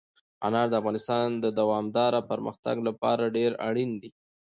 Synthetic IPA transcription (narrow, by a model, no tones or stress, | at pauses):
a̰nɑɾd̪əafɣɑnɪst̪ɑnd̪əd̪awɑmd̪ɑɾapəɾmə̰xt̪a̰ɡlapɑ̰ɾaɖeɾa̰ɽind̪i